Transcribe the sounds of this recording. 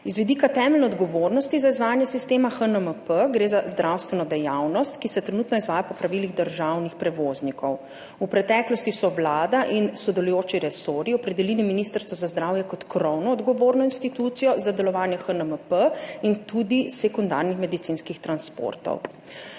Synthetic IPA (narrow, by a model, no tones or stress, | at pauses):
izʋid̪iːkat̪ɛːmɛlnɛɔd̪ɡɔʋoːɾnɔst̪izaizʋaːjanjɛsist̪eːmaxənəməpəɡɾeːzazd̪ɾʔawst̪ʋɛnɔd̪ɛjawnɔst̪kisɛt̪ɾɛnuːt̪nɔizʋaːjapɔpɾaʋiliɣd̪əɾʒawnixpɾɛʋoːznikʰɔw | upɾɛt̪ɛːklɔst̪isɔʋlaːd̪aʔinsɔd̪ɛlujoːt͡ʃiɾɛsoːɾiɔpɾɛd̪ɛliliminist̪əɾst̪ʋɔzazd̪ɾaːwjɛkɔt̪kɾɔwnɔːd̪ɡɔʋoːɾnɔinst̪it̪ut̪sijɔzad̪ɛlɔʋaːnjɛxənəməpəint̪ud̪isɛkund̪a̰ɾnixmɛd̪it̪sinskixt̪ɾanspo̰ɾt̪ɔ̰w